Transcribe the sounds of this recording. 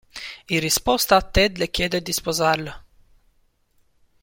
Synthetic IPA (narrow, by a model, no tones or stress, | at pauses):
iɾispɔst̪at̪ːɛd̪lɛkʲed̪ɛd̪ispɔzaɾlə